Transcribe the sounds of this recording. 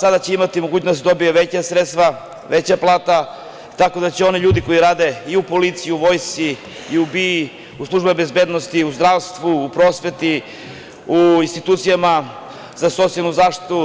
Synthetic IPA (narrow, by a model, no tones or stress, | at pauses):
sad̪at͡ɕe̞imat̪imoɡuːt͡ɕnost̪d̪o̞bijeʋet͡ɕasɾet̪st̪ʋa | ʋe̞t͡ɕaplˠaːt̪a | t̪ako̞d̪at͡ɕeo̞niʎuːd̪iko̞jiɾaːd̪e̞iupo̞lit̪sijiuʋo̞ːjst̪siː | ubii | uslˠuʒbebezbe̞d̪no̞st̪iuzd̪ɾaːʋst̪ʋuːpɾo̞ːsʋe̞t̪i | uinst̪it̪uːt̪sijama | zaso̞t̪sialnuzaːʃt̪i̥t̪u